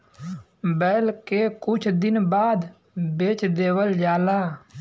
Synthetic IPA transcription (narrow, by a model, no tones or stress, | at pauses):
bɛːlkekʊt͡ʃʰd̪ɪnbaːd̪ | beːt͡ʃd̪eːwəld͡ʒaːlaː